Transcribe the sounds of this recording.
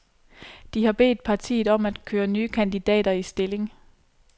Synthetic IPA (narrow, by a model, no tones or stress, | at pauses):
d̥ihɑ̈b̥e̝̰ːd̥̚pʰɑ̈t͡sʰḭːð̩ˠɒ̽mæd̥kʰøːɐnyːkʰænd̥id̥ɛ̰ːd̥ɐisd̥e̝le̝ŋ